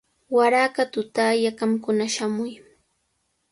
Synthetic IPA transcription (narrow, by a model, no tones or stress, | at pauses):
waɾaːkat̪ʊt̪aːjakamkʊnaʃamʊj